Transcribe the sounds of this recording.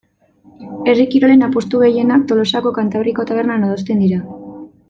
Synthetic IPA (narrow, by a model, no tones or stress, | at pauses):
e̞rikiɾolenapost̪uɣe̞je̞nak̚t̪o̞lo̞sako̞kant̪aβɾiko̞t̪aβ̞e̞ɾnanoðost̪e̞nd̪iɾa